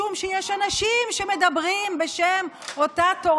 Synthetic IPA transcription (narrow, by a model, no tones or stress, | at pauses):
umʃejeʃanaʃimʃeme̞d̪abʁimbe̞ʃem | o̞t̪at̪o